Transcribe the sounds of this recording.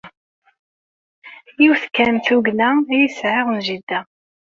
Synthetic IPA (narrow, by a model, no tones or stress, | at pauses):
jiwθkːæmθuɡnæjisʕɪʁənʒid̪ːæ